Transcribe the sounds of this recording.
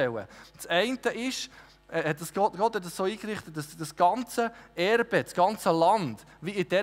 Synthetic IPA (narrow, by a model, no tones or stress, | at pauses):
ɛwə̰t͡sɛɪntəʔɪʃ | hɛt̚d̥ɑsɡ̥ɔtɡ̥ɔthɛt̚dɑsoːiːkɾɪχt̪ət̚dɑsd̥ɑsɡ̥ɑnt͡səɛɾb̥əsɡ̥ɑnt͡səlɑnd̥ | ʋiɪd̥ɛ